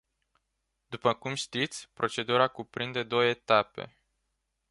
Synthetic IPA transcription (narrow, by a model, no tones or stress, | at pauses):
d̪upəkumʃt̪it̪sʲpɾʔo̞t͡ʃe̞d̪uɾakupɾind̪e̞d̪o̞wəet̪ape̞̰